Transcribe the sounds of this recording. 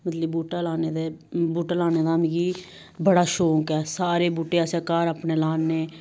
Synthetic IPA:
mət̪ləbbuːʈaːlaːned̪ebuːʈaːlaːneːd̪aːmĩɡiː | bəɽaːʃoːkɛːsaːɾeːbuːʈeːaseːkaːɾapneːlaːnːeː

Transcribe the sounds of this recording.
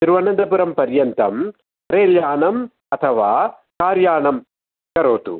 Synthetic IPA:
t̪ɪɾʋɐnɐnd̪ɐpuɾɐmpɐɾjɐnt̪ɐm | ɾeːljaːɳɐm | ɐt̪ʰɐʋaː | kaːɾjaːɳɐm | kɐɾoːt̪ṵ

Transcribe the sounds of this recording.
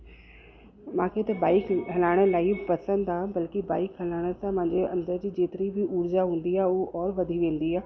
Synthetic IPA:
mãːkʰet̪ɐbaːɪkɦɐlaːɽ̃əlaːipɐsə̃nd̪ãːbɐlkibaːɪkɦɐlaːɽ̃ə̆sãmãːɲd͡ʑeɐ̃nd̪əɾd͡ʑiːd͡ʑeːt̪ɪɾibʱɪʔuːɾzaɦũːn̆d̪iaːɦʊɦoʔɔːɾʋɐd̪ʱiʋẽːnd̪iaː

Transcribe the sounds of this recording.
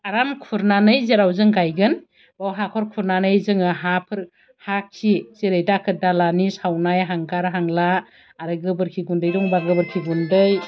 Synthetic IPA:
aɾamkʰuɾnanɯjzeɾawzɯŋɡajɡɯn | bawɦakʰɔɾkʰuɾnanɯjzɯŋɯɦapʰɯɾ | hak̚ʰːizeɾɯjtakʰɯdalanishawnajɦaŋɡaɾɦaŋlaː | ɾɯɡɯbɯɾkʰiɡundɯjdɔŋbaɡɯbɯɾkʰiɡundɯj

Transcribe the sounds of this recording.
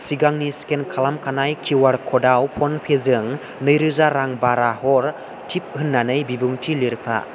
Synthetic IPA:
siɡaŋniskenkʰalamkʰanajkʰiwaɾkʰɔdawpʰɔnpʰezɯŋ | nɯjɾɯzaɾaŋbaɾahɔɾ | tʰip̚hɯnːanɯjbibuŋtʰiliɾpʰa̰

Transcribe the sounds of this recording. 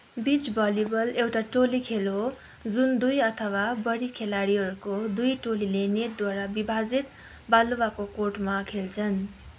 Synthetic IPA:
bit͡sbʌlibʌlewʈaʈolikʰelo | d͡zund̪ujʌt̪ʰʌwabʌɽikʰelaɽiɦʌɾukod̪ujʈolileneʈ̚d̪waɾabibʱad͡zit̪̚ | baluwakokoʈmakʰelt͡sʰʌn

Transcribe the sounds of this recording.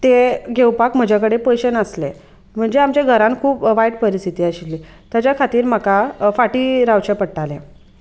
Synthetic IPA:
t̪eɡʱewpakm̤əd͡ʑʱakəɽepəjɕənəsle | m̤əɳd͡zeamt͡ɕeɡʱəɾãnkʰuːpʋajʈpəɾist̪ʰit̪iːaɕilːiː | t̪jat͡ɕjakʰat̪iːɾm̤akafaʈiːɾawt͡ɕepəɽʈalẽ

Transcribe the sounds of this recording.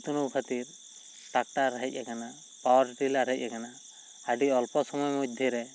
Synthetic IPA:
t̪unukʰat̪iɾ | ʈak̚ʈaɾaɦic̚ˀakana | pawɔɾʈilaɾɦic̚ˀakana | aɖiɔlpɔsɔmɔjmɔd̪ʱiɾɛ

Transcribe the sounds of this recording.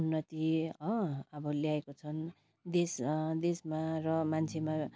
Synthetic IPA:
nːʌt̪iʌʌbʌljaekot͡sʰʌn | d̪esd̪esmarʌmant͡sʰema

